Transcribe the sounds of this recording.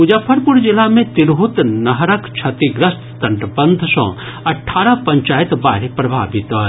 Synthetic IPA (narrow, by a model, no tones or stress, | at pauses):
ud͡ʒapʰəɾpuɾd͡ʒilamẽt̪iɾɦut̪nɐɦɾəkt͡ʃʰɐt̪iɡɾɐst̪t̪ɐɳɖbə̃nd̪ʱsɔ̰̃ː | ɐʈʰːaːɾapɐ̃ɲt͡ʃaːjit̪ba̰ːɾepɾɐbʱa̰ːbit̪ɔ